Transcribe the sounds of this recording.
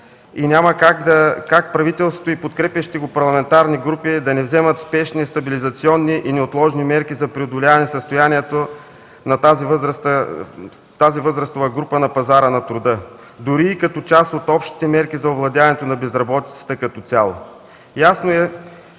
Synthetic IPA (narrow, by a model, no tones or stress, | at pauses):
inʲaməkakd̪ɐkak̚pɾɐvit̪ɛlˠsvot̪oʊipot̪kɾɛpjɐʃi̥t̪ɛɡopɐɾlˠɐmɛnt̪aɾniɡɾupid̪ɐnɛvzɛmət̪spɛʃniɛst̪ɐbilizɐt̪siɔnːiʔinɛot̪lˠɔʒnimɛɾkizɐpɾiod̪ʊlʲavɐnɛsəst̪ojaniɛt̪o | nɐt̪azivəzst̪ə | t̪azivɤzɾɐst̪ovɐɡɾupənɐpɐzaɾənɐt̪ɾʊd̪ə | d̪ʊɾiːkɐt̪ɔt͡ʃast̪ot̪ɔpʃt̪i̥t̪ɛmɛɾkizɐovlˠɐd̪ʲavɐnɛt̪onɐbɛzɾɐbɔt̪it̪sə̥t̪əkɐt̪ɔt̪sʲjalˠo | jasnoɛ